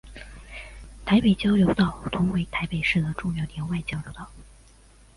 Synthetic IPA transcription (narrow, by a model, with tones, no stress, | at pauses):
t̪ʰa˧˥ɪpe˨˩ɪt͡ɕjɑ˥ʊljo˧˥ʊt̪ɑ˥˩ʊt̪ʰʊ˧˥ŋwe˧˥ɪt̪ʰa˧˥ɪpe˨˩ɪʂɻ̩˥˩d̪ə˩ʈ͡ʂʊ˥˧ŋjɑ˥˩ʊljɛ˧˥nwa˥˩ɪt͡ɕjɑ˥ʊljo˧˥ʊt̪ɑ˥˩ʊ